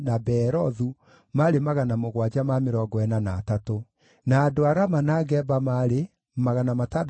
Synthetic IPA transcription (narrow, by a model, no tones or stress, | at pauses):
nabɛɾɔðu | maɾemaɣanamoɣwad͡ʑamameɾɔɡɔɛnanaːtato | naːdoaɾamanaɡɛbamaɾe | maɣanamatad